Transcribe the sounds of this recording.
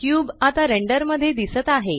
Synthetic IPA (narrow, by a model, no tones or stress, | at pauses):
kjuːbat̪aɾeɳɖəɾməd̪ʱːjed̪isət̪aɦe